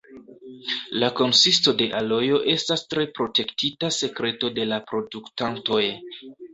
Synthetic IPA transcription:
lako̞nsisto̞de̞ʔalo̞jo̞ʔe̞stastɾe̞pɾo̞te̞ktitase̞kɾe̞to̞de̞lapɾo̞duktanto̞j

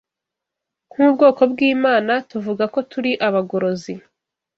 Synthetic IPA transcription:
ŋ̥huːbɡo̞ːko̞bɡiːmaːnatuvuɡako̞tuɾiʔaβaɡo̞ɾo̞zi

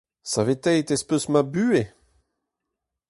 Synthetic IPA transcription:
savet̪ɛjt̪espøsmabyːe

